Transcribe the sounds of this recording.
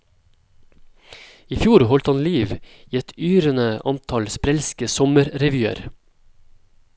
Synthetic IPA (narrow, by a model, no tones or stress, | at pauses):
iːfjuːɾhɔlt̪hɑnliːʋiːɛt̪ʰyːɾənəʔɑ̰nt̪ʰɑlspɾɛlskəsɔməɾɾɛʋjyːə̰ɾ